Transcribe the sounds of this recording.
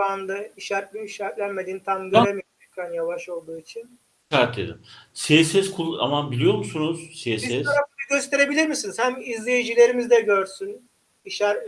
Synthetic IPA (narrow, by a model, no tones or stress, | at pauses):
and̪aiʃæɾp̚lʲyiʃæɾplʲænme̞d̪iːnt̪ʰamɡøɾemi | ykʰænjavaʃo̞lˠd̪uːit͡ʃʰin | ʃaɾt̪lʲḛd̪imsesɛzkʰulˠa̰mabilʲijo̞ɾmusunuz̥sesɛzʰaɾafɯnɯɟøst̪ʰe̞ɾe̞bilʲiɾmisiniz̥hæmizlʲejid͡ʒilʲe̞ɾimizd̪ɛɟøɾsyn | iʃæɾ